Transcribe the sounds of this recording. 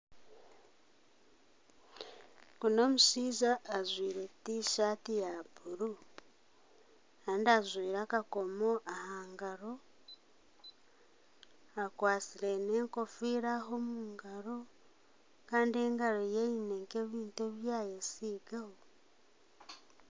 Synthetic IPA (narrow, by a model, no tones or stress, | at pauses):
kuno̞ːmusiːzaːzwiːɾetiʃaːtijaβuɾu | kaːndiazwiːɾakako̞mo̞ʔahaːŋɡaɾo̞ | akwaːt͡siɾe̞ne̞ːŋko̞fiːɾaɦomuːŋɡaɾo̞ | kaːndie̞ŋɡaɾo̞jeine̞ŋke̞βiːntue̞ːβjaːjesiːɡaho